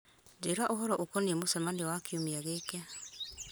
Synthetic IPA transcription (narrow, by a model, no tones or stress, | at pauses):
d͡ʒeɾaʔoɦɔɾɔʔokɔniɛmosɛmaniɔwakiomiaɣekɛ